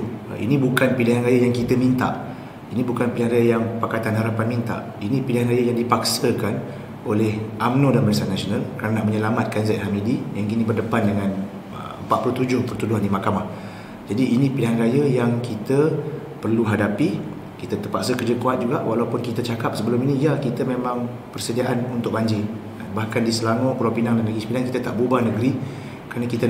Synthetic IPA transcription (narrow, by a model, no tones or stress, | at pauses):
ʔḭnĩbukanpiliɦanɾajajaŋkit̪əmint̪a̰ʔ | inĩbukanpilɪɦanɾajəjaŋpakat̪anɦaɾapanmint̪a̰ʔ | inĩpilɪɦanrajəjaŋdipak̚səkan | olɛhʔamnodanməɾesanasionãlkɾarnanaʔ̚məɲəlamat̪̚kanzɛt̪̚hamidijaŋkinĩbərdəpandəŋãn | ə̰ə̰mpat̪̚puluht̪ud͡ʒʊhpərt̪udʊɦandimakamah | d͡ʒadiːnĩpinaŋɾajəjaŋkit̪ə | pərluɦadapi | kit̪ət̪ərpaʔsəkərd͡ʒəkuat̪̚d͡ʒuɡaʔwalapʊnkit̪ət͡ʃakap̚səbəlʊminĩijakit̪əmemãŋ | pərsədiaʔanunt̪ʊk̚baɲd͡ʒi | abahkandisəlaŋɔkulapinaŋdanəɡispidaŋkit̪ət̪aʔbubanəɡɾi | kəɾanakit̪ə